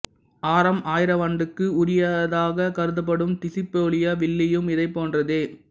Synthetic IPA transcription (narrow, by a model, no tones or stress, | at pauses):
ʔaːɾɐmaːjɪɾɐʋɐɳɖɯkːɯʊɾɪjaːðɐðaːɣɐkɐɾɯðɯp̬ːɐɽɯmt̪ɪsɪpːoːlɪjɐʋɪɭːɪjɯmɪðɐɪpːoːndrɐðeː